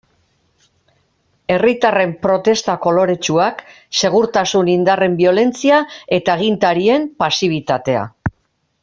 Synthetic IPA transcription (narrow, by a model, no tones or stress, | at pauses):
e̞rit̪are̞mpɾo̞t̪e̞st̪ako̞lo̞ɾe̞t͡ʃuak | se̞ɣ̞uɾt̪asunind̪are̞mbio̞le̞nt͡siae̞t̪aɣint̪aɾie̞mpasiβ̞it̪at̪e̞a̰